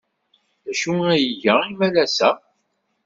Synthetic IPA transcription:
ðæʃuæjəʝæimælæsæ

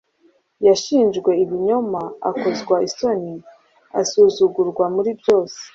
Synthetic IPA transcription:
jaʃiːnʒɡwe̞iβiɲo̞maa̰ko̞zɡwaiso̞ni | a̰suːzuɡuɾɡwamuɾibjo̞ːse̥

